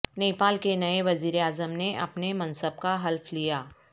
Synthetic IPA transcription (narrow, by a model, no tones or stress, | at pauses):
neːpaːlkenɐeʋɐziːɾeaːzəmneʔɐ̰pnemɐ̃nsəb̚kaɦɐlfʰlijaː